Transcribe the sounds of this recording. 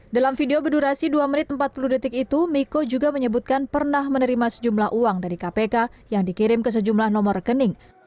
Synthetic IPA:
dalamfideobəduɾasiduamənɪt̪̚əmpat̪̚puludət̪ɪkit̪umikod͡ʒuɡaməɲəbut̪̚kanpərnahmənəɾimasə̥d͡ʒumlahʔuaŋdaɾikapekajaŋdikiɾɪmkəs̬əd͡ʒumlahnɔmɔrkənɪŋ

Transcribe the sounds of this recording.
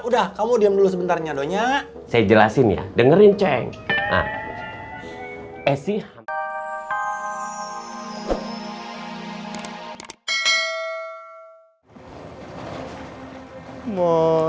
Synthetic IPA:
udahkamudiamdulus̬əbənt̪arɲadoɲa | sajad͡ʒəlasɪnja̰dəŋəɾint͡ʃɛŋa̰m | ɛsih | mɔ

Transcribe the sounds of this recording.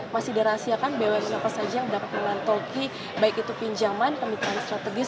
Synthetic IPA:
masihdiaɾasiakanbewaŋnapasad͡ʒajaŋidapat̪̚məŋlant̪oki | baikit̪upiɲd͡ʒamankəmit̪aanst̪ɾat̪əɡɪs

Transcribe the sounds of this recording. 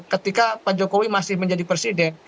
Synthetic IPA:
kət̪ikapad͡ʒokowimasɪhməɲd͡ʒadipɛrsidɛn

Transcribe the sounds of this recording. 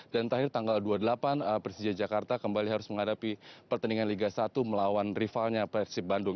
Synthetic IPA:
dant̪əɾahɪrt̪aŋɡalduadəlapanəpɾisid͡ʒad͡ʒakart̪akəmbaliɦaɾʊsməŋadapipərt̪əniŋanliɡasat̪uməlawanrifalɲapɛsip̚bandʊŋ

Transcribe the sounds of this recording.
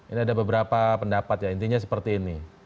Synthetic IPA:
iniadabəbəɾapapəndapat̪jaint̪iɲasə̥pərt̪iːni

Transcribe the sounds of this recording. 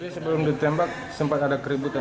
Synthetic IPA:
isəbəlʊmdit̪ɛmbak̚ | səmpat̪adakəɾibut̪a

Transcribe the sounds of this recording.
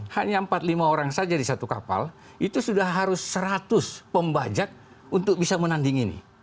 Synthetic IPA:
haɲaəmpat̪̚limaoɾaŋsad͡ʒadisat̪uka̰pa̰l | it̪usudahɦaɾʊsːəɾat̪ʊspəmbad͡ʒak̚ | unt̪ʊk̚bisamənandiŋinḭ

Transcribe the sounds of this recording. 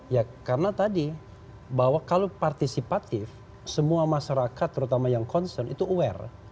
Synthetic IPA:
jakarənat̪adi | bawakalopart̪isipat̪ɪf | səmuamaʃaɾakat̪ːəɾut̪amajaŋkɔnsərnḭt̪uuɛ̰r

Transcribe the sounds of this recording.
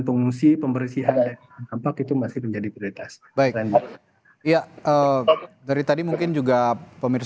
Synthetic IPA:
npəŋuŋsipəmbəɾisiɦan | ampakit̪umasɪhməɲd͡ʒadipɾioit̪as | baɪkɾɛnda | jaədaɾit̪adimuŋkɪnd͡ʒuɡapəmɪr

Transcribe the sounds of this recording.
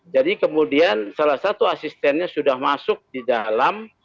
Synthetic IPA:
d͡ʒadikəmudiansalasat̪uasist̪ɛnɲasudahmasʊk̚didalam

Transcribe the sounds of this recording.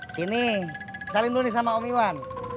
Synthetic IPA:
sinisalimdunis̬amaɔmiwan

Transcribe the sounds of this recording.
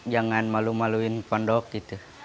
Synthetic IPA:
d͡ʒaŋanmalumaluinpɔndɔkit̪u

